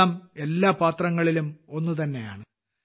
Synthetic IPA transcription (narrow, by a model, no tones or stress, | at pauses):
aːme̞lːaːpaːt̪rɐŋːɐɭilumo̞nːut̪̬ɐnːe̞ja̰ːɳɨ